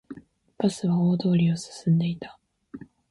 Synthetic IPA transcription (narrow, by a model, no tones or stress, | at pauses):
pasɨβaoːd̪o̞ːɾʲiosɨ̥sɨ̃nd̪e̞it̪ḁ